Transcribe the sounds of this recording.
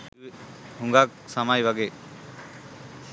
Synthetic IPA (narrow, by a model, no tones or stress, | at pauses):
huŋɡak̚samajbaɡe